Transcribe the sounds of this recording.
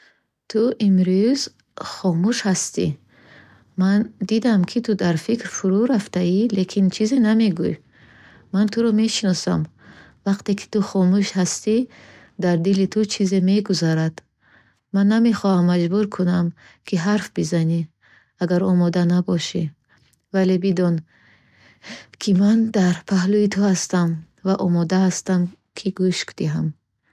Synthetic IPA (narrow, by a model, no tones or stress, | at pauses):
t̪ʰuʔimɾuz̥ | χɔmuʃhast̪ḭ | mand̪id̪amkʰit̪ʰud̪aɾfikɾfuɾuɾaft̪aile̞kʰint͡ʃʰizename̞ɡuj | mant̪ʰuɾɔme̞ʃinɔsa̰m | vaqt̪ekʰi̥t̪uχɔmuʃhast̪i | d̪aɾd̪ilit̪ʰut͡ʃʰizeme̞ɡuzaɾad̪̥ | manːame̞χɔhamːad͡ʒbuɾkʰunam | kʰiɦaɾfbizani | aɡaɾɔmɔd̪anabɔʃi | vale̞bid̪ɔn | kʰimand̪aɾpʰaɦluit̪ʰuhast̪am | vaʔɔmɔd̪aɦast̪am | kʰiɡuʃkd̪̥iɦam